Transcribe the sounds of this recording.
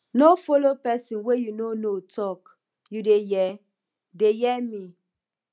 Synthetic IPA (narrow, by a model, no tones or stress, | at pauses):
nofɔlopɛsĩnwejunonotʰɔk | judejɛ | dejɛmĩ